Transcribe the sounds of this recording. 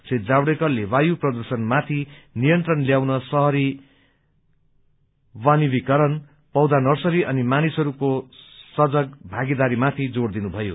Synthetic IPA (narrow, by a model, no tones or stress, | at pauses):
sʰet̪d͡zabɽekʌlewajuprʌd̪ʌrsʌnmat̪ʰinijʌnt̪rʌnljawnʌsʌɦʌɾi | wanibikʌɾʌn | pʌwd̪anʌrsʌɾiʔʌnimanisɦʌɾukosʌd͡zʌk̚bʱaɡid̪aɾimat̪ʰid͡zoɽd̪inubʱʌjo̰